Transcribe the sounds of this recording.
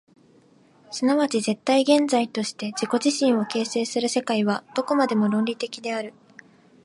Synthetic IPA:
sɨnaβat͡ɕize̞t̪ːaiɡẽ̞nd͡zait̪o̞ɕi̥t̪e̞d͡ʑiko̞ʑiɕĩɰ̃o̞ke̞ːse̞ːsɨɾɯ̟se̞kaiβad̪̥o̞ko̞mad̪e̞mo̞ɾõ̞nɾʲit̪e̞kʲid̪e̞aɾɯ̟

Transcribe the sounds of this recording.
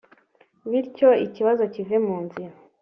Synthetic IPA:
βiɾco̞iciβazo̞civemuːnziɾa

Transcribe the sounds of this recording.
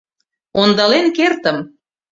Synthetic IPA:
ond̪ɑlenkert̪ə̆m

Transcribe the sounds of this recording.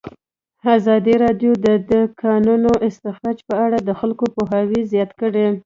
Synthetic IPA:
azɑd̪iɾɑɖjod̪əd̪əkʰɑnunoʔɪst̪ɪxɾɑd͡ʒpəaɽad̪əxalkopoɦɑwizjɑt̪kəɽe

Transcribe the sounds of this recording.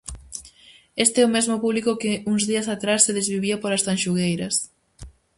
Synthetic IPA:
est̪eɛʊmezmʊpuβlikʊkɪuŋzðiɐsat̪ɾasːeðezβiβiɐpolɐst̪anʃuɣejɾɐs

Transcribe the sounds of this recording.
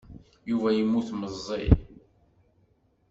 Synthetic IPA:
juvæjimːuθməzˤːi

